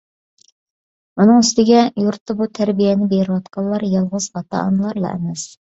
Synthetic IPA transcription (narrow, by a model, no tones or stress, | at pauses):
munɨŋyst̪ɪɡʲɛjuɾt̪ːɑbut̪ʰæɾbijɛnɪbeɾɪwɑt̪qʰɑlˠːɑɾjɑlˠʁʊz̥hɑt̪ɑ̰ɑ̰nlˠɑɾlˠɑ̰ʔɛ̰mɛs